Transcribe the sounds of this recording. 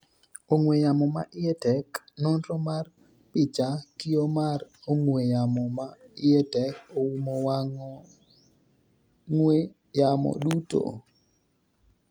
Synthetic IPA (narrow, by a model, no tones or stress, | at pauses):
oŋwejamɔma̰ʔɪɛtɛk | nɔnɾɔmar | pɪt͡ʃakijomaroŋwejamɔmaɪetɛkowumowaŋɔ | ŋwe | jamɔ̰ɗuto̰